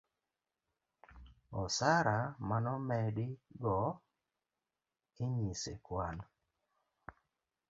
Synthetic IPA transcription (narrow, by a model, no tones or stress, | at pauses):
ɔsaɾamanɔmɛdɪɡɔ | ɪɲisekwan